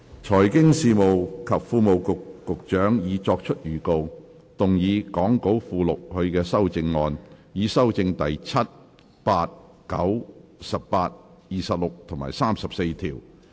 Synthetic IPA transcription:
t͡ʃʰɔː˨˩jkɪ˥ŋsiː˨˧mo˨wkʰɐ˨p̚fuː˧mo˨wkʊ˨kːʊ˨k̚t͡ʃœː˨˥ŋjiː˨˧t͡ʃɔː˧k̚t͡ʃʰɵ˥t̚jyː˨˩ko˧w | t̪ʊ˨ŋjiː˨˧kɔː˨˥ŋko˨˥wfuː˨˧lʊ˨k̚hɵ˨˧ɥkɛː˧sɐ˥wt͡sɪ˧ŋːɔː˧njiː˨˧sɐ˥wt͡sɪ˧ŋt̪ɐ˨jt͡sʰɐ˥t̚ | paː˧t̚ | kɐ˨˥wsɐ˨p̚paː˧t̚ | jiː˨sɐ˨p̚lʊ˨k̚t̪ʰʊ˨˩ŋma̰ː˨˩jsaː˥msɐ˨p̚se˧jt̪ʰiː˨˩w

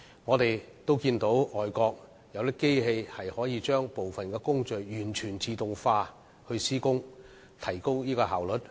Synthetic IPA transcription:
ŋɔː˨˧t̪e˨j | t̪o˥wkiː˧nt̪o˨˥wɔː˨˩jkɔː˧k̚ | jɐ˨˧wt̪ɪ˥kːe˥jhe˧jhɐ˨jhɔː˨˥jiː˨˧t͡ʃœː˥ŋpo˨wfɐ˨nkɛː˧kʊ˥ŋt͡ʃɵ˨jjyː˨˩nt͡ʃʰyː˨˩nt͡siː˨˧t̪ʊ˨ŋfaː˧ | hɵ˧siː˥kʊ˥ŋ | t̪ʰɐ˨˩jkʊ˥wniː˥kɔː˧ɦaː˨˩wlɵ˨˥t̚

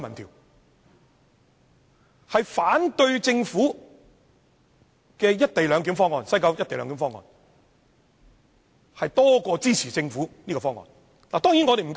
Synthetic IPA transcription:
mɐ˨nt̪ʰiː˨˩ | hɐ˨jfaː˨˥nt̪ɵ˧ɥt͡sɪ˧ŋfuː˨˥ | kɛː˧jɐ˥t̚t̪e˨jlœː˨˧ŋk̬iː˨˥mfɔː˥ŋɔː˨˧nsɐ˥jkɐ˧˥wjɐ˥t̪e˨lœ̰ː˨˧ŋkiː˨˥mfɔː˥ŋɔ̰ː˧˩n | hɐ˨jt̪ɔː˥kɔː˧t͡siː˥t͡sʰiː˨˩t͡sɪ˧ŋfuː˨˥niː˥kɔː˧fɔː˥ŋɔ̰ː˨n | laː˨˩t̪ɔː˥ŋjiː˨˥nŋɔ˨˧ɾe˨m̩˨˩k

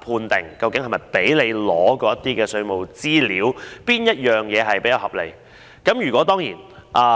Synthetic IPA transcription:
pʰuː˧nt̪ɪ˨˩ŋkɐ˧wkɪ˨˥ŋhɐ˨˩jmɐ˨˩jpe˨˥jle˨˧jlɔː˨˧˥kɔː˧jɐ˥t̪iː˥kɛː˧sɵ˧ɥmo˨wt͡siː˥liː˨˥wpiː˥njɐ˥t̚jœː˨ŋjɛː˨˧ɦɐ˨jpe˨˥jɐ˨˧whɐ˨p̚le˨˧j | kɐ˨˥mjyː˨˩kʷwɔː˨˥t̪ɔː˥ŋjiː˨˩nʔaː˧

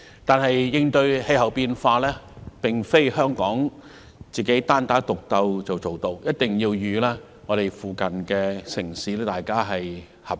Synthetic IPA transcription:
t̪aː˨nɦɐ˨jːɪ˧ŋt̪ɵ˧ɥhe˧jɦɐ˨wpiː˧nfaː˧lɛː˥pɪ˨ŋfe˥jhœː˥ŋkɔː˨˥ŋ | t͡siː˨ke˨˥jt̪aː˥nt̪aː˨˥t̪ʊ˨k̚t̪ɐ˧wt͡sɐ˨wt͡so˨˩wt̪o˧wjɐ˥t̚t̪ɪ˨ŋjiː˧wjyː˨˧lɛː˥ | ŋɔː˨˧ɾe˨˩jfuː˨kɐ˨nkɛː˧sɪ˨˩ŋsiː˨˥lɛː˥t̪aː˨jkaː˥ɦɐ˨j | hɐ˨p̚

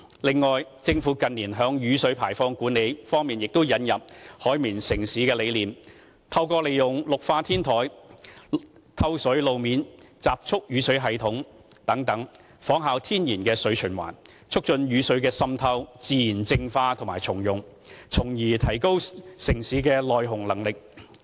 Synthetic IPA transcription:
lɪ˨ŋːɔː˨jt͡sɪ˧ŋfuː˨˥kɐ˨nːiː˨˩nɦœː˨˧˥ŋjyː˨˥sɵ˨˥ɥpʰaː˨˩jfɔː˧ŋkuː˨˥nːe˨˧jfɔː˥ŋmiː˨njɪ˨k̚t̪ʊ˥wjɐ˨˥njɐ˨p̚hɔː˨˥jmiː˨˩nsɪ˨˩ŋsiː˨˥kɛː˧le˨˧jliː˨m | t̪ʰɐ˧wkɔː˧le˨jjʊ˨˩ŋlʊ˨k̚faː˧t̪ʰiː˥nt̪ʰɔː˨˥j | t̪ʰɐ˧˥wsɵ˨˥ɥlo˨wmiː˨˧nt͡saː˨p̚t͡ʃʰʊ˥k̚jyː˨˧sɵ˨˥ɥɦɐ˨jt̪ʰʊ˨˥ŋ | t̪ɐ˨˥ŋt̪ɐ˨˥ŋ | fɔː˨˥ŋɦaː˨˧wt̪ʰiː˥njiː˨˩nkɛː˧sɵ˨˥t͡ʃʰɵ˨˩nwa̰ː˨˩n | t͡sʰʊ˥k̚t͡ʃɵ˧njyː˨˧sɵ˨˥ɥkɛː˧sɐ˥mt̪ʰɐ˥wt͡siː˨˧jiː˨˩nt͡sɪ˧ŋfaː˧t̪ʰʊ˨˩ŋmaː˨˩jt͡sʰʊ˨˩ŋjʊ˨ŋ | t͡sʰʊ˨˩ŋjiː˨˩t̪ʰɐ˨˩jko˥wsɪ˨˩ŋsiː˨˧˥kɛː˧lɔː˨jɦʊ˨˩ŋlɐ˨˩ŋlɪ˨k̚

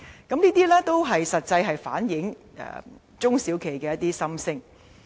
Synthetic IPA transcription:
kɐ˨˥mniː˥t̪iː˥lɛː˥t̪o˥wɦɐ˨jsɐ˨t̚t͡sɐ˧jɦɐ˨jfa̰ː˨˥njɪ˨˥ŋ | ɛ̰˨ | t͡sʊ˥ŋsiː˨˥wkʰe˨˩jkɛː˧jɐ˥t̚t̪iː˥sɐ˥msɪ˥ŋ

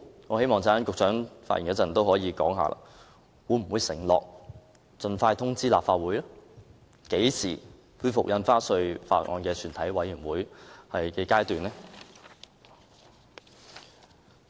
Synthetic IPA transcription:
ŋɔː˨˧he˥jmɔː˨˩ŋt͡saː˥nkʊ˨k̚t͡ʃʰœː˨˥ŋfaː˧tjḭ˨˩ŋkɛː˧t͡sɐ˨˩nt̪o˥wɦɔː˨˥jiː˨˧kɔ̰ː˨˥ŋɦa̰ː˨˧lʔa̰ː˧ | wuː˨˧˥m̩˨˩wuː˨˧jsɪ˨˩ŋlɔ̰ː˨k̚ | t͡sɵ˨nfaː˧jt̪ʰʊ˥ŋt͡siː˥laː˨p̚faː˧t̚wuː˨˥jlɔ˥ | ke˨˥jsiː˨˩ | fu˥˩fʊ̰˨k̚jɐ˧nfaː˥sɵ˧ɥfa̰ː˧t̚ŋʔɔ̰ː˧nkɛː˧t͡ʃʰyː˨˩nt̪ʰɐ˨˥jwɐ˨˥jːyː˨˩mwuː˨˥jhɐ˨jkɛː˧kaː˥jt̪yː˨nɛː˥

